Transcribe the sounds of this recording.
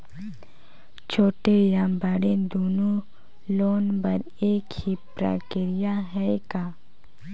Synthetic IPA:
t͡ʃʰoːʈejãːmbaːɽẽd̪oːno | loːnbɐɾ | eːkhipɾa̰ːkɪɾɪjaɦɛkaː

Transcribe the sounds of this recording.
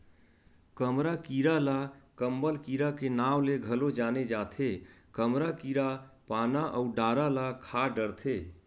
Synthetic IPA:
kəmɾakiɾalakəmbəlkiɾakenawleɡʱəlod͡ʒaned͡ʒat̪ʰekəmɾakiɾapanaʔəuɖaɾalakʰaɖəɾt̪ʰe

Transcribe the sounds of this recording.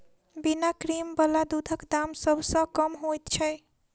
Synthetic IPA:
binakɾimbəlad̪ud̪ʱəkd̪amsʌbʱsʌ̃kʌmɦojt̪t͡ʃʰəj

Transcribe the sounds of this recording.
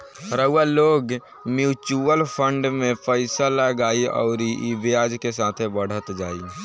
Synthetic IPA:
ɾəualoːɡ | mjuːt͡ʃuəlpʰə̃ɳɖmẽpəɪsaləɡaːiɔ̰ːʊɾiʔibjaːd͡ʒkesaːt̪ʰebəɽ̤ət̪d͡ʒaːi

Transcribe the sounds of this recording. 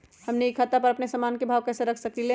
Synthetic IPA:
həmneikʰat̪apəɾəpnesəmaːnkebʱaːʋkɛːseɾəkʰsəklile

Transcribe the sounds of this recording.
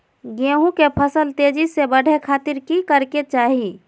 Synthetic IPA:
ɡeɦũkepʰəsəlt̪ed͡ʒisebəɽ̤ʱekʰaːt̪iɾkikəɾket͡ʃaːɦi

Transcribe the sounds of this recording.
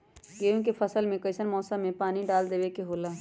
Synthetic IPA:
ɡeːũk̬epʰəsəlmẽkəɪsənmɔːsə̃mːẽpaːniɖaːld̪eːʋekeɦoːlaː

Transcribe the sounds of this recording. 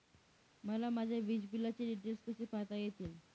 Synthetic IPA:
məlamad͡ʑʱaʋid͡ʑbilat͡ɕiɖiʈeɾskəɕiːpat̪ajet̪iːl

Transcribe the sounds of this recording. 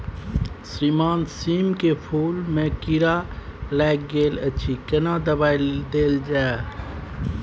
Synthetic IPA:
sɾimaːnsiːmkepʰuːlmẽkiɾalɛːk̚ɡeːlət͡ʃʰikənad̪əbaːild̪eːld͡ʒae

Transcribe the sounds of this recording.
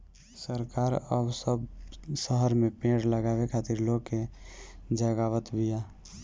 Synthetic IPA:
səɾkaːɾəbsəbsəɦəɾmepẽɽləɡabekʰat̪iɾloke | d͡ʒəɡawət̪bija

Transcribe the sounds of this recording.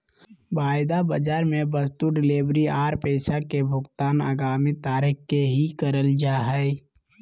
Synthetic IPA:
baːɪd̪abəd͡ʒaːɾmẽbəst̪uɖɪleːbɾiaːɾpɛːsakebʱʊɡt̪aːna̰ːɡaːmit̪aːɾɪkkeɦikəɾəld͡ʒaːɦɛɛ

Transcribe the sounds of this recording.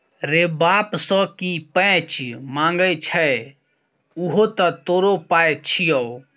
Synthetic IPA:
ɾebaːpsɔ̃kipə̃t͡ʃmãːŋɡəjt͡ʃʰɛ | uɦot̪ɔt̪oːɾopaːjt͡ʃʰijɔ

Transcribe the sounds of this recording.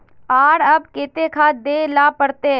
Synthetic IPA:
aːɽɐbkeːt̪ekʰaːd̪eːlaːpɐɽt̪eɦɛ

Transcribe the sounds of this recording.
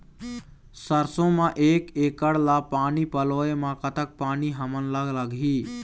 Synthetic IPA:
səɾsõmãʔeːkekəɽlapaːnipəloemãkət̪ək̚paːniɦəmənləɡləɡɦi

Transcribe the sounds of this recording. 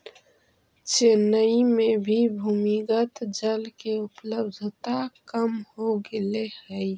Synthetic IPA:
t͡ʃenəimẽbʱibʱuːmiɡət̪d͡ʒəlkeʊpləbd̪ʱt̪akəmhoɡɪlehəi

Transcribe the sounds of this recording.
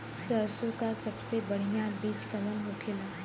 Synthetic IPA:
səsõkasɐbsebɐɽ̤ijãbiːt͡ʃkɐmənɦokʰɪlaː

